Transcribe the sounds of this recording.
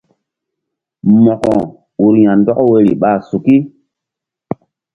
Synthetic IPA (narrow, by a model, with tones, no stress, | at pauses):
mɔ˨kɔ̃˨ | u˨ɾjã˨ndɔ˦kwe˦ɾḭ˨ɓa˦˨su˨ki˦